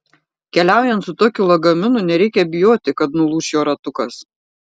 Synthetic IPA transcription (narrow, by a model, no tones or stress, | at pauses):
kʲɛlʲæˑʊjɛnt̪sʊt̪oːkʲʊlˠɐɡɐmʲɪnʊˑnʲɛɾʲɛɪkʲɛbʲɪjoːt̪ʲɪkɐt̪nʊlˠuːʃʲjoːɾɐt̪ʊkɐs